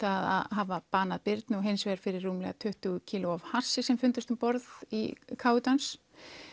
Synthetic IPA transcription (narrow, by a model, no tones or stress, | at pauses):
θaða̰ðɦaːvapaːnaðpɪɾt̪nɔɦejnsvɛɾ̥fɪɾɪrːuːmlɛɣat̪ʰʏht̪ʏɣcʰiːlʊav̥har̥sːɪsɛmfʏnt̪ast̪ʏmpɔɾðḭkʰaːwʏt̪ans